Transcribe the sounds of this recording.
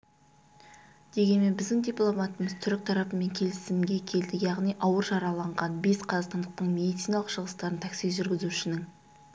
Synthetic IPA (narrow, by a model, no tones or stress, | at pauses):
d̪̥e̞ɡʲe̞nme̞nbɪzd̪ɪŋd̪ʲijplˠo̞mɑt̪əməzt̪ʰʏɾɪk̚ʲt̪ʰɑɾɑpəme̞ŋkʲʰe̞lɪsɪmɡʲe̞kʲʰe̞ld̪ɪkjɑʁnijʔɑwəɾʒɑɾɑlˠɑɴʁɑnbe̞sqʰɑzɑqst̪ɑnd̪əq̚t̪əɴme̞d̪ijt̪sijnɑlˠəqʃəʁəst̪ɑɾənt̪ʰæksiʒʏɾɡʲɪzuɪʃɪnɪŋ